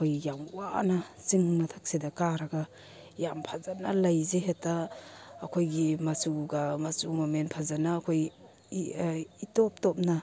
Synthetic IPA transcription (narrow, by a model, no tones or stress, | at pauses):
kʰojjaŋwanasiŋmɐtʰak̚sedakaɾaɡa | jampʰazanalɐjzeɦetaː | kʰojɡimasuɡamasumamenpʰazanaːkʰoj | itɔp̚tɔp̚na